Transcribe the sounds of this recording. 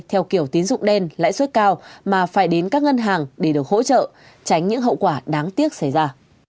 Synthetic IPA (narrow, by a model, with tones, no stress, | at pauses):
t̪ʰɛ˧wki˧˩əwt̪i˨˦ənzʊ̰˧˨ŋ͡mɗe˧nla̰ː˧˥jswə˦˥t̚kaː˧wmaː˨˩faː˧˩jɗe˨˦nkaː˦˥k̚ŋə˧nɦaː˨˩ŋɗe˧˩ɗɨ˨˩ək̚ho̰˧˥t͡ɕə̰ː˧˨ | t͡ɕa˨˦jŋ̟ɲɨ̰˧˥ŋɦə̰˧˨wkwaː˧˩ɗaː˨˦ŋt̪i˦˥ək̚sa˧˩jzaː˧